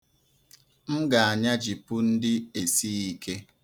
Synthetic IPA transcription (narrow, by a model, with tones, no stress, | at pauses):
m̩˦ɡa˨a˨ɲa˦d͡ʒi˨pʊ˦n̩˦dɪ˦e˨si˦i˦kʰe˦